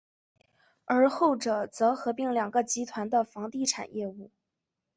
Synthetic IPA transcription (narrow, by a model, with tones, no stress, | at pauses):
ə˞˧˥xo˥˩ʊʈ͡ʂɤ˨˩t͡sɤ˧˥xɤ˧˥pi˧˥˩ŋljɑ˨˩ŋɡə˧t͡ɕi˧˥t̪ʰwa˧˥nd̪ə˧fɑ˧˥ŋt̪i˥˩ʈ͡ʂʰa̰˨˩njʔɛ˥˧u˥˩